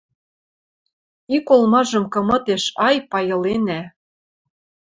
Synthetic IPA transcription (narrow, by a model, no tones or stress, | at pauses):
ikolmɑʒɤ̆mkɤ̆mɤ̆t̪eʃɑjpɑjɤ̆lenæ